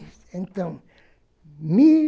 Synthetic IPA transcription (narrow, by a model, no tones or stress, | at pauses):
ẽnt̪ãw̃ | mi